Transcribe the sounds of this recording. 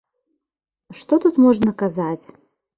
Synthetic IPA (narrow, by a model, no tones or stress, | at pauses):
ʂt̪ɔt̪ut̪mɔʐnɐkazat͡sʲ